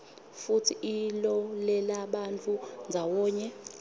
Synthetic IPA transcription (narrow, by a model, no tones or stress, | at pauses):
futʰiilɔlɛlaɓant͡fʰʼund͡zʱawɔːɲɛ